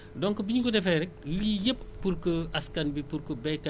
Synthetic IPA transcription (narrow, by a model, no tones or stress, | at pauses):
dɔŋkobiɲukɔdɛfɛɾɛk̚lijəppuɾkəɐskɐnbipuɾkəbɛka